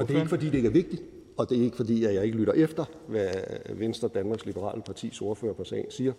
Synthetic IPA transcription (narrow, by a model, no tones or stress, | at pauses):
ɒd̥eæe̝ɡəfɒ̽d̥ḭːd̥e̝eɡ̥æɐʋe̝ɡ̥̚d̥id̥ | ɒ̽d̥e̝e̝ɡ̥əfɒ̽d̥ḭːjæjɑ̈ɪe̝ɡəlyɾ̥ɐʔefd̥ɐ | ʋæʋensd̥ɐd̥ænmɑ̈ɡslib̥əʁɑ̰̈ːləpʰɑ̈t͡sʰḭːso̝ːɐfø̰ːɐpʰɒsɛ̰ɪnsiːɐ